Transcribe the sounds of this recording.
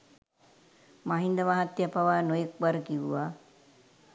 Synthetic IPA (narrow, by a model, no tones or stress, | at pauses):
maɦind̪əʋaɦat̪ːjapaʋaːnojek̚baɾəkiʋʋaː